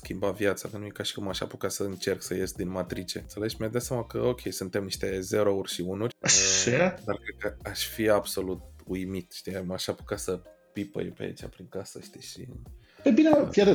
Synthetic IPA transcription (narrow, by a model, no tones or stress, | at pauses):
skʲimbavjat̪sakənujekaʃi̥kumaʃa̰pukasəɨnt͡ʃe̞rksəjesd̪inmat̪ɾit͡ʃe̞̰nt̪sele̞d͡ʒmiad̪at̪sjamakə̰o̞kʲʰe̞jsunt̪e̞mniʃt̪e̞ze̞ɾourʲʃiunurʲaad̪arkɾed̪̚kəaʃfiab̥so̞lut̪̚ujmit̪ʃt̪imaʃapukasə | pipə̰jpea̰ḭt͡ʃa̰pɾiŋkasəʃt̪iʃḭ | pebinefiad̪ə